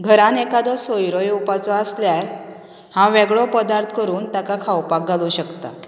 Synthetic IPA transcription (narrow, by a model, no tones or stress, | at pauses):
ɡʱəɾãnekad̪ɔsojɾojupat͡sɔəsljaj | hãʋeɡɭɔpəd̪aɾt̪ʰkəɾuːnt̪jakakʰawpak̚ɡʱalũɕəkt̪a̰